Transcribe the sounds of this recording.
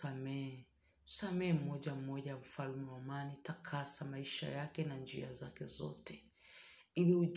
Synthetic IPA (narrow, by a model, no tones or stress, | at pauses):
amɛ | u̥samɛɛm̩mɔʄam̩mɔʄawam̩falmɛwamanitakʰasamaiʃa̰jakɛnand͡ʒḭazakɛzɔ̰tɛ | iliuʄ